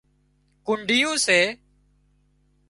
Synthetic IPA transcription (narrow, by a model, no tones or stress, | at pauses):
kʊɳɖɪjũːseː